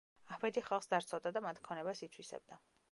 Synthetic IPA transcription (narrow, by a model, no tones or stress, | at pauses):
ahbɛd̪iχalˠχsd̪aɾt̪sʰad̪ad̪amat̪ʰkʰɔnɛbasit̪sʰwisɛ̰b̚d̪a